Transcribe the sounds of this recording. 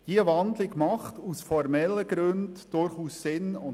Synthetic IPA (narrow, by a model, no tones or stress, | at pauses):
j̥iəvɑndlɪɡmɑχtusfɔɾmɛlːəɡɾɵndd̥ʊɾχuːsːɪnʊn